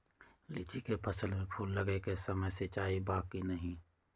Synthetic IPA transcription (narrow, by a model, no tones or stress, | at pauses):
lɪt͡ʃikepʰəsəlmẽpʰuːlːəɡekesəməjset͡ʃaːibaːkinəɦĩ